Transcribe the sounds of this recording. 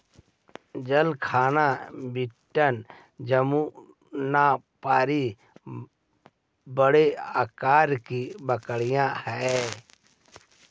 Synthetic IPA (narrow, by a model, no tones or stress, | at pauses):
d͡ʒəlkʰaːnabɪʈːən | d͡ʒəmu | napaːɾi | bəɽeaːkaːɾkibəkəɽijãhɛ